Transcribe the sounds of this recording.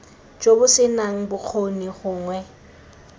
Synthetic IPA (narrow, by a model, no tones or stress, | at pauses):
d͡ʒobʊsɪnaŋ̩bʊk͡xʰoniχʊːŋwɛ